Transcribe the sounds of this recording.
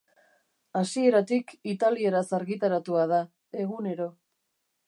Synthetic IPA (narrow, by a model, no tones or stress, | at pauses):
asie̞ɾat̪ikit̪alie̞ɾasaɾɣit̪aɾat̪uaða | e̞ɣune̞ɾo̞